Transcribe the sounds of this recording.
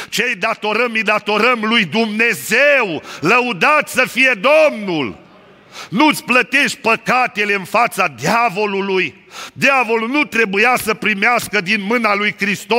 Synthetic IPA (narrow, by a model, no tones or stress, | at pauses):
t͡ʃejd̪at̪o̞ɾəmijd̪at̪o̞ɾəmlujd̪umne̞zewləud̪at̪səfije̞d̪o̞mnul | nut̪sʲplət̪e̞ʃt̪̚ʲpəkat̪e̞le̞ɨnfat̪sad̪javo̞luluj | d̪javo̞lulnut̪ɾe̞bujasəpɾimeaskəd̪inmɨnalujkɾist̪o